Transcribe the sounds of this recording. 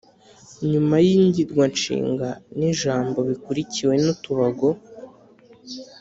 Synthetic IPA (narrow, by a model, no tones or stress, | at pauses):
ɲumajiɲɟiɾɡwant͡ʃḭːŋɡaniʒaːmbo̞βikuɾiciwe̞notuβaɡo̞